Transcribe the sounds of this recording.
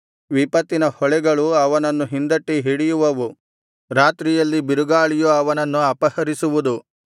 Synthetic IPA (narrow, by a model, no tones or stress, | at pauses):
ʋipɐt̪ːinɐhɔɭɛɡɐɭuɐʋɐnɐnːuɦind̪ɐʈːiɦiɽijuʋɐʋu | ɾaːt̪ɾijɐlːibiɾuɡaːɭijuɐʋɐnɐnːuɐpɐhɐɾisuʋud̪u